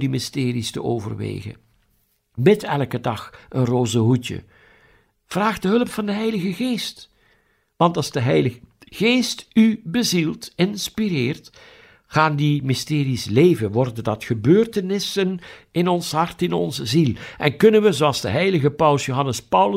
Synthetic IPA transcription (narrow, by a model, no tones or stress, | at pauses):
dimɪstɪːɾistə̰ʔo̰ːvə̰rʋḛːɣə̰ | bɪtɛlˠkədɑxənroːzəɦutə̰ | v̥raːχdəɦɵləpfɑndəɦɛjləɣəɣeːst | ʋɑntɑlˠzdəɦɛjləɣeːstybəzilˠtɪnspirɪːrt | xaːndimɪstɪːɾislejvənʋɔrdədɑtxəbøːrtənɪsənɪnɔnsɦɑrtɪnɔ̰nzəzilˠʔɛnkɵnənʋəzoɑlˠzdə̰ɦɛjləɣəpʌwlsjowɦɑnəspʌwl